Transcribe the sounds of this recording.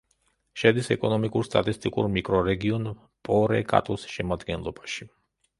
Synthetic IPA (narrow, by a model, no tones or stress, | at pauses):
ʃɛd̪isɛkʼɔnɔmikʼuɾst̪ʼat̪ʼist̪ʼikʼṵɾmikʼɾɔɾɛɡiɔn | pʼɔɾɛkʼa̰t̪ʼɔsʃɛmad̪ɡɛnlˠɔbaʃi